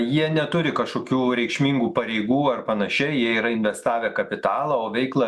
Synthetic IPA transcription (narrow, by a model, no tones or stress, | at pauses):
jiɛnʲɛt̪ʊɾʲɪkɐʃkoːkʲuːɾʲɛɪkʃʲmʲiːŋɡuːpɐɾʲɛɪɡuːɐrpɐnɐʃʲɛɪjiɛiːɾɐɪnʲʋʲɛst̪ɑːʋʲɛːkɐpʲɪt̪ɑːlˠɐoːʋʲɛɪklˠɐ